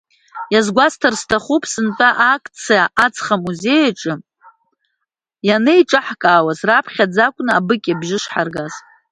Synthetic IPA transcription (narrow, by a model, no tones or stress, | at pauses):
jazɡʷastʰarstʰaχupʰʼsɨntʼaʔakʰʼt͡sʰijaʔat͡sʰʼχamuze̞jaʈ͡ʂʼɨ | janɨjʈ͡ʂʼaħkʼaːwazrapʰχʲad͡zakʷʼnɨabɨkʲʼabʒɪʂħarɡaz̥